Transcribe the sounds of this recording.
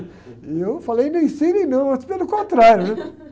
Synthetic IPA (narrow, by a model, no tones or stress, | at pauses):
ewfalejnẽj̃sẽjnẽj̃nɐ̃w̃ɐspelʊkõnt̪ɾaɾjʊnɛ